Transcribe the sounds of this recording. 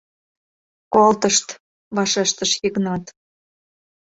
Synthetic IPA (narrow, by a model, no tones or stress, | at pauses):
kolt̪əʃt̪ | βɑʃeʃt̪əʃjiknɑt̪